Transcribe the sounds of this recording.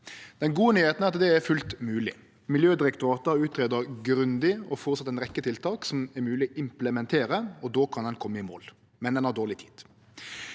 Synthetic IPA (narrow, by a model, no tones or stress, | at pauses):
d̪̥ɛnɡuːənyːheːt̪næʁɑt̪d̪ɛæɾfʉlt̪mʉːlɪ̰ | mɪljøːd̪ɪɾɛkt̪ʊɾɑːt̪əɾɔʉːt̪ʰɾeːd̪əɾɡɾʉnd̪ɪɔfɔɾt̪sɑt̪ːɛnʁɛkːət̪ʰɪlt̪ʰɑːksɔmɛɾmʉːlɪʔɪmpləmɛnt̪ʰeːɾəɔd̪oːkʰɑnd̪ɛnkʰɔmːəɪmo̰ːl | mɛnd̪ɛnhɑd̪oːʁlɪt̪ʰi̥̰ːd̪̥